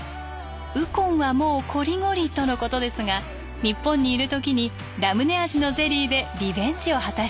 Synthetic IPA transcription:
ɯ̟kõ̞ɰ̃βamo̞ːkʰo̞ɾʲiŋo̞ɾʲit̪o̞no̞ko̞t̪o̞d̪e̞sɨɡa | ɲ̟ipːõ̞ɲ̟ːiːɾɯ̟t̪o̞kʲiɲ̟i | ɾamɯ̟ne̞aʑino̞ze̞ɾʲiːd̪e̞ɾʲibẽ̞ɲ̟d͡ʑio̞hat̪aɕ

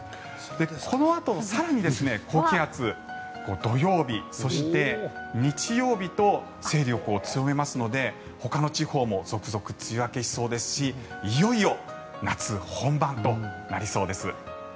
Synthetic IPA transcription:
d̪̥e̞kʰo̞noat̪osaɾaɲ̟id̪e̞sɨne̞kʰo̞ːkʲiɦat͡sɨ | ko̞ːd̪o̞jo̞ːbʲiso̞ɕit̪e̞ɲ̟it͡ɕijo̞ːbʲit̪o̞ | se̞ːɾʲo̞kɯ̟o̞t͡sɨjo̞me̞masɨno̞d̪e̞ | ho̞kano̞t͡ɕiho̞ːmo̞z̥o̞kɯ̟zo̞kɯ̟̥t͡sɨiβake̞ɕi̥so̞ːd̪e̞sɨ̥ɕiijo̞io̞ | nat͡sɨhõ̞mbãnt̪o̞naɾʲiso̞ːd̪e̞sɨ

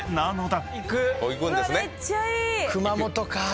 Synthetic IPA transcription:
nanot̪aikɯokʲikõnd̪esɨneikɯ̟mamot̪oka

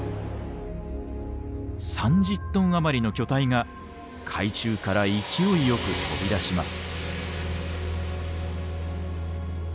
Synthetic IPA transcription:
sãɲ̟d͡ʑɨt̪ːõ̞ɰ̃amaɾʲino̞kʲo̞t̪aiŋa | kʰait͡ɕɨːkaɾaikʲio̞ijo̞kɯ̟tʰo̞bʲid̪aɕimasɨ̥

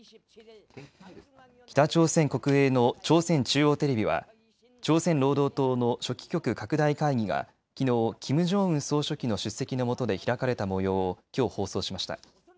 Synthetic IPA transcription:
kʲi̥t̪at͡ɕo̞ːsẽ̞ŋko̞kɯ̟eːno̞t͡ɕo̞ːsẽ̞ɲt͡ɕɨːo̞ːt̪e̞ɾe̞bʲiβa̰ | t͡ɕo̞ːsẽ̞nɾo̞ːd̪o̞ːt̪o̞ːno̞ɕo̞kʲi̥kʲo̞kɯ̟kakɯ̟d̪aikaiɡʲiɡa̰ | kʲino̞ːkʲimɯ̟ʑo̞ːɯ̟̃ɰ̃so̞ːɕo̞kʲino̞ɕɨsːe̞kʲino̞mo̞t̪o̞d̪e̞çiɾakaɾe̞t̪amo̞jo̞ːkʲo̞ːho̞ːso̞ːɕimaɕi̥t̪a̰

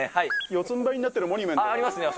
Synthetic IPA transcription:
haijot͡sɨ̃mbaiɲinat̪ːeɾɯ̟mo̞ɲʲimẽɾimasɨne

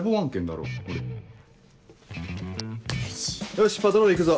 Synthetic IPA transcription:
boβãŋkẽnd̪a̰ɾo̰ːoɾe | jaɕi̥pːad̪oɾoikɯ̟za

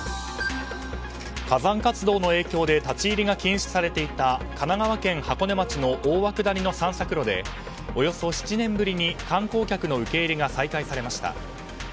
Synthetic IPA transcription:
kazãŋkat͡sɨd̪o̞ːno̞e̞ːkʲo̞ːd̪e̞t̪at͡ɕiːɾʲiɡakʲĩɰ̃ɕi̥saɾe̞t̪e̞it̪akʰanaɡaβakẽ̞ŋ̃hako̞ne̞mat͡ɕino̞ʔoːβakɯ̟d̪aɾʲino̞sãɰ̃sakɯ̟ɾo̞d̪e̞̰ | o̞jo̞so̞ɕi̥t͡ɕinẽ̞mbɯ̟ɾʲiɲ̟ikãŋko̞ːkʲakɯ̟no̞ɯ̟ke̞ːɾʲiɡasaikaisaɾe̞maɕi̥t̪a̰

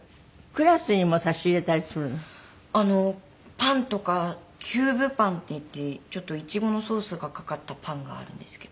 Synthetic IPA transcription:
kɯ̟ɾasɨɲ̟imosaɕiɾe̞t̪aɾʲisɨɾɯ̟n | ano̞ | pãnt̪o̞ka | kʲʰɨːbɯ̟pãnt̪ːe̞it̪ːe̞t͡ɕo̞t̪ːo̞it͡ɕiɡo̞no̞so̞ːsɨɡakakat̪ːapʰãŋɡa̰ːɾɯ̟̰̃nd̪̥e̞sɨ̥ked̪o

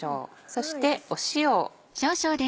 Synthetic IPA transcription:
o̰ːso̞ɕi̥t̪eoɕioː | ɕo̞ːɕo̞ːd̪ẽ

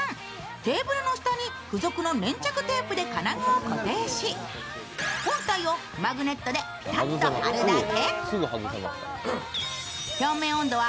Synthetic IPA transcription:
t̪e̞ːbɯ̟ɾɯ̟no̞ɕi̥t̪aɲ̟i | ɸɯ̟zo̞kɯ̟no̞nẽ̞ɲ̟t͡ɕakɯ̟t̪e̞ːpɯ̟d̪e̞kanaɡaokot̪eːɕi | hõ̞nt̪aio̞ | maɡɯ̟ne̞t̪ːo̞d̪e̞ | t̪at̪oaɾɯd̪akesɡoɡosma̰ | ço̞ːmẽ̞ːõ̞nd̪o̞βa

